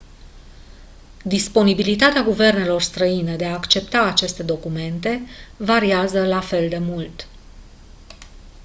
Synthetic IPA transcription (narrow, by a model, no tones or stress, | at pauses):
d̪ispo̞nibilit̪at̪eaɡuve̞rne̞lo̞rst̪ɾəined̪e̞aːkt͡ʃe̞pt̪aːt͡ʃe̞st̪e̞d̪o̞kume̞nt̪e̞vaɾiazəlafe̞ld̪e̞mult̪